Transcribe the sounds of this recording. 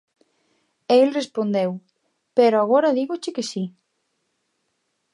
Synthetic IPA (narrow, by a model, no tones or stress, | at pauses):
elrespond̪ew | peɾoaɣ̞ɔɾɐðiɣot͡ʃɪkesi